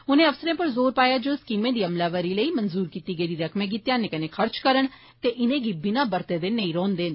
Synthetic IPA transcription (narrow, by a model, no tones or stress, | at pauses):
ʊnẽːəfsəɾẽːpəɾzoːɾpaːjaːd͡ʒoːskiːmẽːd̪iːəmlaːʋəɾiːləiːmənzuːɾkiːt̪iːɡəiːd̪iːɾəkʰmẽːk̬iːt̪jaːneːkənẽːkʰəɾt͡ʃkəɾəɳ | t̪eːʔɪnẽːɡiːbɪnãːbəɾt̪eːd̪eːnəiːɾɔːnd̪eːn